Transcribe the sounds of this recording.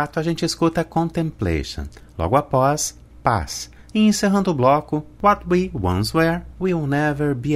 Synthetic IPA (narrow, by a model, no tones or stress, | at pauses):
at̪ʊaʒẽnt͡ʃɪɪskut̪ɐkõnt̪ẽmplḛʃɐ̰̃lɔ̰ɡʊapɔs | pa̰s | ɪẽseɦɐ̃nd̪ʊʊblɔkʊwɔt̪wiwɐ̰̃nswɛɾwilnɛvɛɾbi